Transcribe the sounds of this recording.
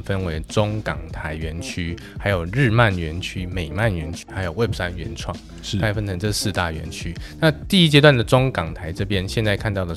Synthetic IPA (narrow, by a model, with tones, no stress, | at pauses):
fə˦nwe˧˥ɪʈ͡ʂʊ˥ŋkɑ˨˩ŋt̪ʰa˧˥ɪɥɛ˧˥nt͡ɕʰy˥ | xa˧˥ɪjo˨˩ʊɻɻ̩˥˧ma˥˩nɥɛ˧˥nt͡ɕʰy˥me˨˩ɪma˥˩nɥɛ˧˥nt͡ɕʰy̥˥xa˧˥ɪjo˨˩ʊwe˥˩ɪpʰsa˥nɥɛ̰˧˥nʈ͡ʂʰwɑ̰˥˩ŋ˥˩ | kʰa˥˧ɪfə˦˥nt͡sʰə˧˥ŋʈ͡ʂɤ˥˨sɹ̩˥˧t̪a˥˩ɥɛ̰˧˥nt͡ɕʰy˦˥na˥˧˨t̪i˥˩i˦˥t͡ɕjɛ˥t̪wa˥˩nd̪ə˩ʈ͡ʂʊ˥ŋkɑ˨˩ŋt̪ʰa˧˥ɪʈ͡ʂɤ˥˧pjɛ˥˦nɕjɛ˥˧nt͡sa˥˧ɪkʰa˥˧nt̪ɑ˥˩ʊlə˩